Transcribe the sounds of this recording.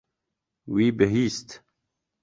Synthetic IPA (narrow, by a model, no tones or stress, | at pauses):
wiːbeɦiːst̪